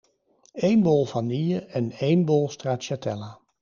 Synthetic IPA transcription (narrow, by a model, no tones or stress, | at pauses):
ejnbolˠvɑnijəɛnejnbolˠstraːtʃatɛ̰laː